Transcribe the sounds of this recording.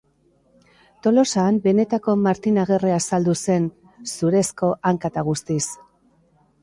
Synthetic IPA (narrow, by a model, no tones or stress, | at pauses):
t̪o̞lo̞saːmbe̞ne̞t̪ako̞maɾt̪inaɣ̞e̞reasald̪use̞n | suɾe̞sko̞ʔaŋkat̪aɣ̞ust̪is